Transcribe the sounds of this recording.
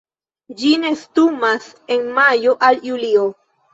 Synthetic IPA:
d͡ʒine̞stumas | e̞nmajo̞ʔaljulio

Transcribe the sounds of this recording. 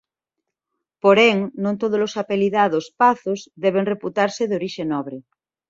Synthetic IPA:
poɾeŋnõnt̪oð̞ozlosapeliðaðospaθozðɛβ̞eŋreput̪aɾseðeoɾiʃenɔβɾe

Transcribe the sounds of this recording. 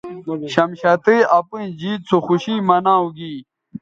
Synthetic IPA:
ɕɐmɕɐt̪eɐpuĩd͡ʑiːt͡sʰoxuɕimɐnãːuɡiː

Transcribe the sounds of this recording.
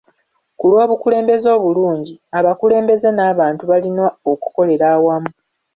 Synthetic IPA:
kulwo̞ːβukule̞ːmbe̞zo̞ːβuluːɲɟiaβakule̞ːmbe̞zenaːβaːntuβalinooku̥ko̞le̞ɾaːwamu

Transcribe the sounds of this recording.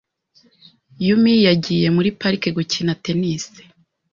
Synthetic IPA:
jumijaɟiːje̞muɾipaɾike̞ɡucinate̞nisi̥

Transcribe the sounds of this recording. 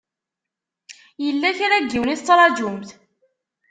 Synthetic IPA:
jəlːæçɾæɡːiwniθt͡sːɾˤɑd͡ʒumθ

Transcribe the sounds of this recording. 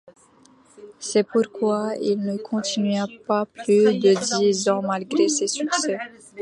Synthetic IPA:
sɛpuʁkwailnəkʰɔ̃t̪ʰinɥapaplyd̪əd̪izɑ̃malɡʁesesyksɛ

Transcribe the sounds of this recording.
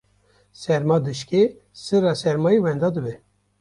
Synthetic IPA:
sɛɾmɑːd̪ɨʃke | sɨɾɑːsɛɾmɑːjiwɛnd̪ɑːd̪ɨbɛ

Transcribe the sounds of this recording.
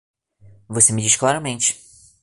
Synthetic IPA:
vosemɪd͡ʒisklaɾɐmẽnt͡ʃɪ̥

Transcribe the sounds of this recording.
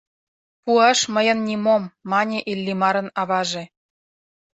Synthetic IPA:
puɑʃmə̆jɤ̆nnʲimomːɑnʲeʔilʲːimɑɾɤ̆nɑβɑʒĕ

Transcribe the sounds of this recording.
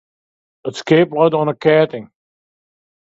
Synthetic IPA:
ətskeːplədɔnəkʰɛːtɪ̃ŋ

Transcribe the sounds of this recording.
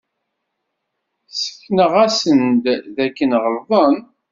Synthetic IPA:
sə̥kːnəʁæsənd̪ðækːənʁəɾˤðˤən

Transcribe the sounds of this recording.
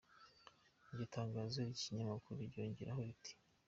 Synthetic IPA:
bitaːŋɡaːzoɾiciɲamakuɾuβiɾɟo̞ːɲɟeɾahoβitʰi̥

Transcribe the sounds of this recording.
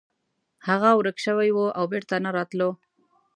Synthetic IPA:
haɣawɾəkʃəwajwoʔawbeɾt̪anaɾɑt̪lo

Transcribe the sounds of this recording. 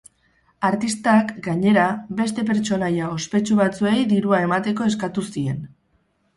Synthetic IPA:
aɾt̪ist̪akɡaɲe̞ɾabe̞st̪e̞p̬e̞ɾt͡ʃo̞najao̞spe̞t͡ʃuβat͡sue̞jðiɾuae̞mat̪e̞ko̞e̞skat̪usie̞n

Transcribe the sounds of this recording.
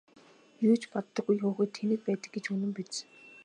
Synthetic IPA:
juːt͡ɕpɔt̪ːɞ̆ɡujxoːxɘ̆ːt̪ʰːenɘ̆k̚pæːt̪ə̆kɡet͡ɕɵnɘ̆mpet̪sɘ̥̆

